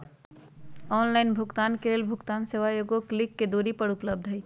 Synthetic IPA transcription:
ɔnlaɪnbʱuɡt̪ankeleːlbʱʊkt̪aːnseʋajoɡoklɪkːed̪oɾipəɽupləb̚d̪ʱɦəj

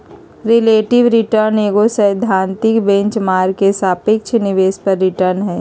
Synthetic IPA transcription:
ɾɪleːʈɪʋɾɪʈəɾneːɡosəɪd̪ʱãːnt̪ɪkbẽɲt͡ʃmaːɾkesaːpɪk̚t͡ʃʰnɪʋeːspɐɾːɪʈəɾnɦɛː

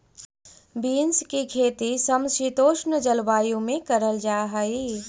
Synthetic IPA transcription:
biːnskikʰeːt̪isɐmsit̪oːʃnəd͡ʒəlwaːjõmẽkɐɾəld͡ʒaːɦaiː

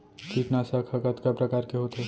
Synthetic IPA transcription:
kiʈnasəkʰɐkət̪kapɾɐkaːɾkeɦoːt̪ɦe

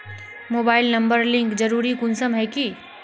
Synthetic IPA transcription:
moːbaːɪlnɐ̃mbəɾlɪ̃ŋkd͡ʒəɾuːɾikʊnsəmɦɛki

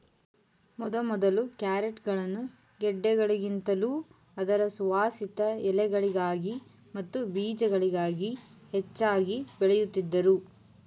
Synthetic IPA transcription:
mɔd̪ɐmɔd̪ɐlukjaːɾeʈɡɐɭɐnːu | ɡɛɖːɛɡɐɭiɡint̪ɐluː | ɐd̪ɐɾɐsuʋaːsit̪ɐɛlɛɡɐɭiɡaːɡi | mɐt̪ːubiːd͡ʒɛɡɐɭiɡaːɡihɛt͡ʃːaːɡibɛɭɛjut̪ːid̪ːɐɾu

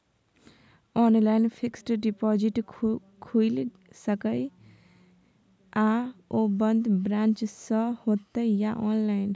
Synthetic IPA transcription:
ɔːnlaɪnpʰiksʈɖipɔd͡ʒiʈ | kʰuil | səkəj | aobənd̪bɾãːnt͡ʃsəhoːt̪əjaʔɔːnlaɪn

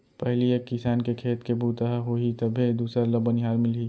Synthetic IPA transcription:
pɛɦliekɪsaːnkekʰeːt̪kebuːt̪əɦaɦoit̪ɐbʱid̪uːsɾalɐbənɦaːlmɪlɦi

